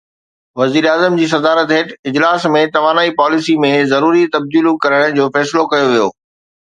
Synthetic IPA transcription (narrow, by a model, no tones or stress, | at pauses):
ʋɐziːɾaːzəmd͡ʑiːs̬ɐd̪aːɾət̪ɦeːʈɪd͡ʑlaːsmẽt̪ɐʋaːnaːipaːlɪsimẽzɐɾuːɾit̪ɐb̚d̪iːlukɐɾəɽ̃d͡ʑoːfɛːsɪlokɐjoʋijo̰ː